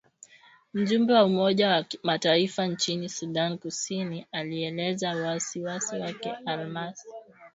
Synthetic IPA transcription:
m̩ʄumbɛwaumɔʄamataifant͡ʃinisuɗankusinialiɛlɛzawasiwasiwakɛʔalmasi̥

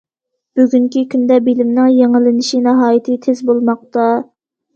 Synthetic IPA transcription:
b̥yɡʲyŋkʲikʲynd̪ɛbilɪmnɪŋjeŋɪlɪnɪʃinɨɦɑːjit̪ʰɪt̪ʰezbolˠmɑq̚t̪ɑ

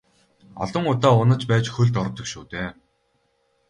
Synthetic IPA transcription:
ɔ̰ɮə̆ŋʊt̪aːʊnə̆t͡ɕpæːt͡ɕxɵɮt̪ɔɾ̆t̪ɵ̆kʃuːt̪eː

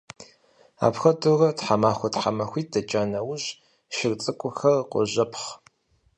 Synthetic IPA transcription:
a̰ːpxɐdurɐtħamaːxʷɔtħamɐxʷiːt̚dɐt͡ʃʼaːnɐwʊɕ | ʃɪrt͡sʼɨkʷʼʊxɐrqʷɔ̰ʑɐpʰχ

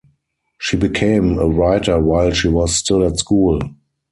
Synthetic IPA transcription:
ʃiːbikʰẽɪ̃məɹaɪtə˞waɪlʃiːwɔsstɪlætskuːl

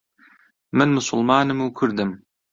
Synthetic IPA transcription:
mɪnmʊsʊ̰lˠmɑːnɨmukʲʰɵɾd̪ɪm

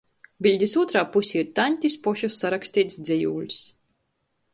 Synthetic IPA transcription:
bilʲd̪ʲisuɔt̪ɾaːpusʲiiɾt̪anʲt̪ʲispɔʃasːaɾaksʲt̪ʲiːt̪sd̪zʲejuːlʲs

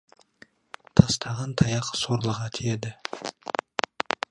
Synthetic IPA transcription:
t̪ʰɑst̪ʰɑʁɑnt̪ʰɑjɑqsoɾlˠəʁɑt̪ʰijed̪ɪ

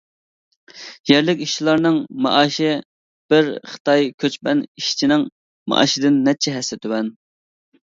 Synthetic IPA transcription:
jɛɾlɪkʲiʃt͡ʃʰilˠɑɾnɨŋmɑ̰ʔɑːʃɪ | b̥ɪɾχə̥t̪ʰɑjkʲʰøt͡ʃpɛniʃt͡ʃʰinɪŋ | mɑ̰ʔɑ̰ːʃɪd̪ɪnːɛt͡ʃʰɛɦɛsːɪt̪ʰywɛn

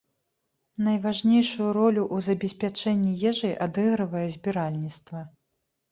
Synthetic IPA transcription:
nɐjvaʐnʲejʂujuɾɔlʲuʔuzɐbʲɛsʲpʲat͡ʂɛnʲːijɛʐɨjʔad̪ɛɣɾɨvɐjɛzʲbʲiɾalʲnʲit̪st̪vɐ

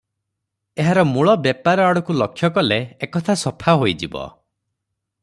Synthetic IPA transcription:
eɦaɾɔmuɭɔbjepaɾɔaɽɔkulɔkʰjɔkɔleːkɔt̪ʰasɔpʰaɦojd͡ʒibɔ̰

